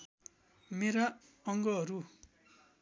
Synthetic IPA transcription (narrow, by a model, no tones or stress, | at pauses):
meɾa | ʌŋɡʌɦʌɾu